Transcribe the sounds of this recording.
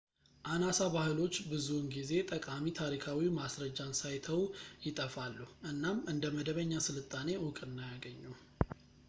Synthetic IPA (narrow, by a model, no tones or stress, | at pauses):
ʔanasabahɨlo̞t͡ʃːbɨzunɡize̞t̪ʼəkʼamit̪ʰaɾikʰawimasɾəd͡ʒːansajt̪ʰəwjɪt̪ʼəfalːuhʔɨnːamɨnd̪əməd̪əβəɲːasɨlɨt̪ʼːane̞wʊkʼɨnːajaɡəɲːu